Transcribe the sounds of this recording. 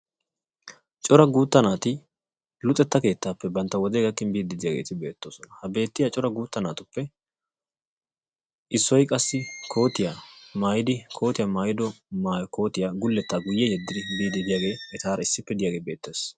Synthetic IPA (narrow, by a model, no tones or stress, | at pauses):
t͡ʃʼɔɾɐɡuːt̪ːɐnaːt̪ɪ | lʊt̪ʼɛt̪ːɐke̞ːt̪ːaːpːɛbɐnt̪ːɐwɔd̪ɛɡɐkʼːɪnbiːd̪ɪd̪ɪjaːɡḛːt̪ɪbe̞ːt̪ːo̞ːsɔnɐhɐbe̞ːt̪ːɪjat͡ʃʼɔɾɐɡuːt̪ːɐnaːt̪ʊpːɛ | ʔɪsːɔjkʼɐsːɪkʰo̞ːt̪ɪjamaːjɪd̪ɪkʰo̞ːt̪ɪjaːmaːjɪd̪ɔmakʰo̞ːt̪ɪjaːɡʊlːɛt̪ːaːɡʊjːɛjɛd̪ːɪd̪ɪbiːd̪ɪd̪ɪjaːɡe̞ːɛt̪aːɾɐɪsːɪpːɛd̪ɪjaːɡe̞ːbe̞ːt̪ːe̞ːs